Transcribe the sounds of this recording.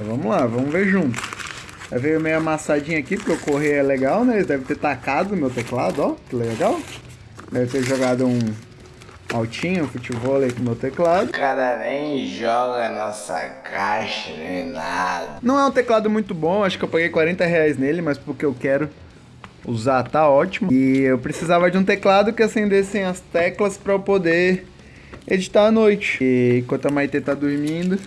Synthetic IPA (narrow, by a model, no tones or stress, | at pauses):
ɛvɐ̃mʊlavɐ̃mʊveɾʒũt̪ʊ̥s | avejʊmejɐmasad͡ʒĩɲɐakipʊɾkeewkoɦejɛleɡawnɛelɪd̪ɛvɪt̪eɾt̪akad̪ʊmewt̪ekla̰d̪ʊɔkɪleɡaw | d̪ɛvɪt̪eɾʒoɡad̪ʊũ | awt͡ʃĩɲʊũfut͡ʃibɔlɐikʊ̃mewt̪eklad̪ʊkad̪ɐmẽj̃ʒɔɡɐnɔsɐ̰kʰaʃɐnɛ̃nad̪ɐnɐ̃w̃ɛũt̪eklad̪ʊmũj̃t̪ʊbõaʃʊ̥kɪewpaɡejkwaɾẽnt̪ɐɦeajznelɪmɐaspʊɾkeewkɛɾʊ | uzaɾt̪aɔt͡ʃimʊɪewpɾesizavɐd͡ʒũt̪eklad̪ʊkɪasẽnd̪esẽj̃ɐst̪ɛklɐspɾɐpod̪eɾ | ed͡ʒit̪aɾɐnojt͡ʃɪ̥̃kʷwɐ̃nt̪ʊɐmajt̪et̪ad̪uɾmĩd̪ʊ